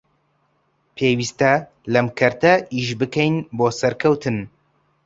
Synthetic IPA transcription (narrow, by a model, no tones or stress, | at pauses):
pʰeːwist̪ɐ | lɐmkʰɐɾt̪ɐʔiʃbɨkʰɛjnboːsɐɾkʰɐwt̪ʰɨn